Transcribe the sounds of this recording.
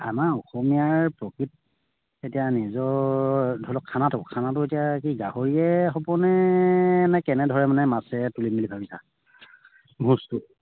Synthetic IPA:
a̰maɔxomiaɹpɹokɹit̚ | etijanizɔ | dʱulɔkʰːanatʊkʰanatʊetijakiɡahoɹiɛxɔpɔnɛ | nɛkɛnɛdʱɔɹɛmanɛmasɛtulimilibʱabisa̰ | bʱũstʊ

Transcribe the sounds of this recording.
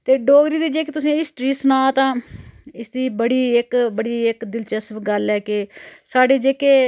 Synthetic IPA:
t̪eːɖoːɡɾiːd̪iːd͡ʒeːkeːt̪ʊsẽːɦɪsʈɾiːsnãːt̪ãːɪsd̪iːbəɽiːɪkbəɽiːɪkd̪ɪlt͡ʃəsʋɡəlɛːkeːsaːɖeːd͡ʒeːkeː

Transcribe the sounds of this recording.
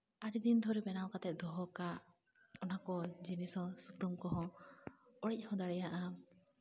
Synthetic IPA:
aɽid̪ind̪ʱɔɾɛbɛnawkat̪ɛʔ̚d̪ɔɦɔka | ɔnakɔd͡ʒinisɔsut̪umkɔɦɔ̃ | ɔɽic̚hɔ̃d̪aɽɛjaʔa

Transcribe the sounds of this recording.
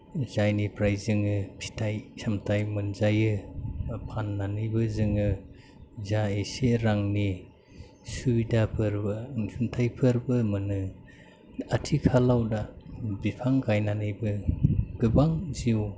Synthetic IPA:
zajnipɾajzɯŋɯpʰi̥tʰajsamtʰajmɯnzajɯ | pʰanːanɯjbɯzɯŋɯ | zaeseɾaŋni | subidapʰɯɾbɯnsuntʰajpʰɯɾbɯmɯnɯ | atʰikʰalawdabipʰaŋkʰajnanɯjbɯɡ̥ɯbaŋziw

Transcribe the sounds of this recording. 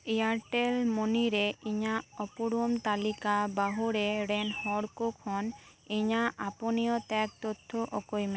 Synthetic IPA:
iaɾʈelmoniɾeiɲaɔpuɽumt̪alikabaɦuɾeɾenhɔɽkokʰhɔn | iɲaʔaponijɔt̪ɛk̚t̪ot̪ʰːoʔokojme

